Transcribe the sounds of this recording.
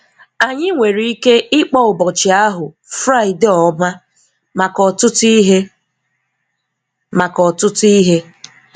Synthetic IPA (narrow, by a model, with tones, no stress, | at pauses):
a˨ɲɪ˦ŋʷe˨ɾi˦i˦ke˦ɪ˦k͡pɔ˦ʊ˨bɔ˨t͡ʃɪ˨a˦ɦʊ˨ | fɾa˦˨ɪ˨dɔ˨˦ma˦ | ma˨kɔ˨tʊ˦ti˦ɦe˦ | ma˨kɔ˨tʊ˦tʊ˦i˦ɦe˦